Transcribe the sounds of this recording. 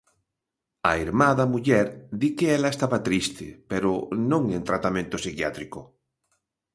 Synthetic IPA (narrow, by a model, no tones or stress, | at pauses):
a̰iɾmaðamuʎɛɾd̪ikeelaest̪aβat̪ɾist̪epeɾonõŋẽnt̪ɾat̪amẽnt̪osikjat̪ɾiko